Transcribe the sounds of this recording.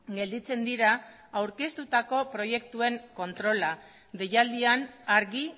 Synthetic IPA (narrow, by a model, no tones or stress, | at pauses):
ɡe̞ld̪it͡se̞nd̪iɾaː | wɾke̞st̪ut̪ako̞pɾo̞je̞k̚t̪ue̞ŋko̞nt̪ɾo̞la | d̪e̞jald̪ianaɾɣi